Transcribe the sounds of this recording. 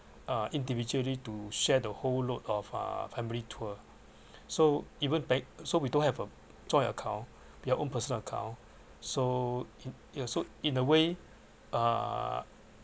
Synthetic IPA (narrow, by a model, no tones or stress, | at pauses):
aʔĩndivid͡ʒuəlituʃɛdəholotɔfa̰fɛ̃militʰuə | soivə̃nbɛ̃sowidõnhɛvə | d͡ʒɔ̃j̃nəkʰãʊ̃n | wiaʔõnpəsə̃nəkʰã̰w̃n | so | asoĩnəwe | a̰